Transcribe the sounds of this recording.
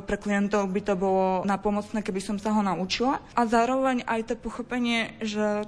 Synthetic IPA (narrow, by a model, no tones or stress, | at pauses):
pɾɛklijɛnt̪ɔʊbit̪ɔbɔlɔnapɔmɔt͡snɛːkɛbisɔmsaɦɔnaʔut͡ʃilaʔazaːɾɔʋɛɲajt̪ɔpɔxɔpɛɲɪɛʒɛ